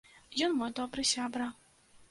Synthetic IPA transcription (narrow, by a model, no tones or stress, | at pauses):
jɔnmɔjd̪ɔbɾɨsʲabɾɐ